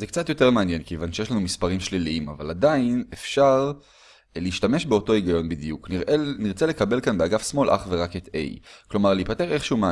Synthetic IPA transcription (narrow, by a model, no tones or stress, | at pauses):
zekt͡sat̪jo̞te̞ʁmeanje̞nkeːvanʃejeʃlanumispaʁimʃliliima̰va̰ladainefʃaʁ | leːʃtame̞ʃbeo̞to̞iɡajo̞nbid̪ijukniʁʔeniʁt͡sele̞kabe̞lkanbeaɡafsmo̞lʔa̰χve̞ʁaket̪ḛjklo̞maʁliipate̞ʁe̞χʃeume